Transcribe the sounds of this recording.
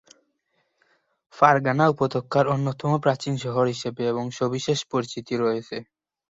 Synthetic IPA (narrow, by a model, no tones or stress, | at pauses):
faɾɡanaupod̪okʰːaɾonːot̪ɔmopɾat͡ɕinʃɔɦoɾɦiʃebeeboŋʃobiʃeʃpoɾt͡ɕit̪iɾɔet͡ɕʰe